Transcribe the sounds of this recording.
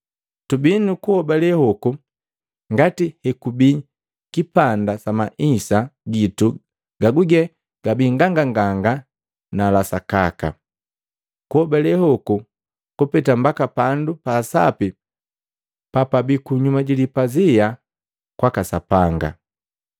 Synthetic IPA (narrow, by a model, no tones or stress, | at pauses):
tubinukuhɔbalɛhɔku | ŋɡatihɛkubi | kipandasamaʔisaɡitu | ɡ̥aɡuɡɛ | ɡ̥abiŋɡaŋɡaŋɡaŋɡa | nalasakaka̰ | kuhɔbalɛhɔku | kupɛtambakapandupasa̰pi | papabikuɲumaɟilipazija | kwakasapaŋɡa̰